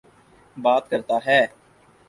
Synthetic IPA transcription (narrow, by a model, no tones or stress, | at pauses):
baːt̪kəɾt̪aːɦɛː